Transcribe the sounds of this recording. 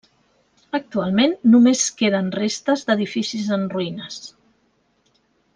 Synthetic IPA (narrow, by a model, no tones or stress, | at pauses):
ək̚t̪ualˠmenːumeskeðənrest̪əzd̪əðifisizənruinəs